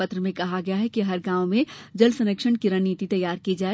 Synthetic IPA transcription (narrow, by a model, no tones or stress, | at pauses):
pɐt̪ɾəmẽkɐɦaɡɐjaɦɛkiɦɐɾɡãːʊmẽd͡ʒɐlsɐ̃nəkʃəɳkiɾənːiːt̪it̪ɐjːaːɾkid͡ʒaːe